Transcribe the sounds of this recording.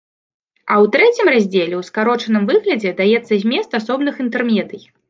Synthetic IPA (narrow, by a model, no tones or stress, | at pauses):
ɐwt̪ɾɛt͡sʲimrazʲd͡zʲelʲɛwskaɾɔt͡ʂɐnɨmvɨɣlʲɐd͡zʲɛd̪ajɛt̪sːɐzʲmʲɛst̪asɔbnɨxint̪ɛrmʲjɛd̪ɨj